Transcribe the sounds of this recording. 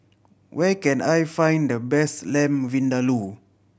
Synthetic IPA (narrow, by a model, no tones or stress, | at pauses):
wɛkɛ̃najfãj̃ndəbɛstlɛ̃mvĩndalu